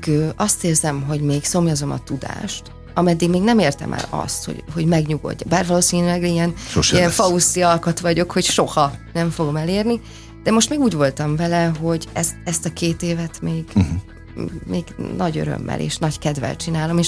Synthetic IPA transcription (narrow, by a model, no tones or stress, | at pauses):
ɡøːʔɒst̪eːrzɛmɦo̞ɟmeːɡso̞mjɒzo̞mɒ̰t̪ud̪a̰ːʃt̪ | ɒmɛd̪ːiɡmeːɡnɛmeːrt̪ɛ̰mʔɛ̰lɒ̰st̪ho̰ɟɦo̞ɟmɛɡɲuɡo̞̰ɟːɒbaːrvɒloːsiːnylɛɡiɛniɛnfɒusiɒlkot̪ʋɒɟo̞kho̞cʃo̞hɒnɛɱfo̞ɡo̞mɛleːrni | d̪̥ɛmo̞ʃt̪meːɡuːɟvo̞lt̪ɒɱvɛlɛɦo̞ɟɛst̪ɛst̪ɒkeːt̪eːvɛt̪meːɡ | meːɡnɒɟø̰ɾø̰mːɛ̰lʔḛːʃnɒckɛd̪vɛ̰lt͡ʃinaːlo̞meːʃ